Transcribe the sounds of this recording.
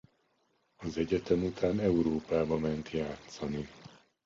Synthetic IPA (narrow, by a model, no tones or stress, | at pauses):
ɒzɛɟɛt̪ɛmut̪aːnɛuɾoːpaːbɒmɛnt̪jaːt̪sɒni